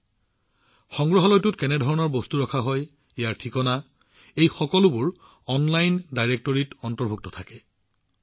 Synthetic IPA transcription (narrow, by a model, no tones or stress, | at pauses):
xɔŋɡɹɔɦɔlɔjtʊtkɛnɛdʱɔɹɔnɔɹbostuɹɔkʰaɦɔj | ejaɹtʰikɔna | ejxɔkɔlʊbʊɹ | ɔnlajndajɹek̚tɔɹitɔntɔɹbʱuk̚tɔtʰakɛ